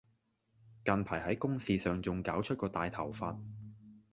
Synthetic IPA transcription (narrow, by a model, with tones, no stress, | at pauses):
kɐ˨npʰaː˨˩jhɐ˨˥jkʊ˥ŋsiː˨˧sœː˨˩ŋt͡sʊ˨ŋkaː˨˥wt͡ʃʰɵ˥t̚kɔː˧t̪aː˨jt̪ʰɐ˨˩wfa̰ː˧t̚